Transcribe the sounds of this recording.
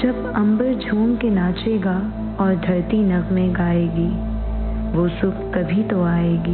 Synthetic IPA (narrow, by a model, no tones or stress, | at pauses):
d͡ʒɐb | ɐ̃mbəɾd͡ʒʱuːmkenaːt͡ʃeːɡa | ɔːɾd̪ʱɐɾt̪inɐɣmẽɡaːeːɡiː | ʋoːsʊp̚kɐbʱit̪oaːeːɡiː